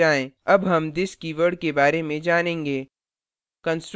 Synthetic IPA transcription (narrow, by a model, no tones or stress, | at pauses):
aːẽɐbɦɐmd̪ɪskiʋəɾɖ̚kebaːɾemẽd͡ʒaːnẽːŋɡeː | kə̃nsʈɾ